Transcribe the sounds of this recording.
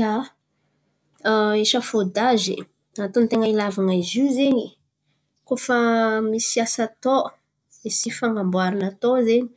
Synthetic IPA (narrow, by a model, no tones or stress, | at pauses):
a | eʃəfod̪azḛ | at̪ont̪eŋailavanaizuzeɲi | kofamisiasat̪o | misifaŋɡambwaɾinat̪ozeɲi̥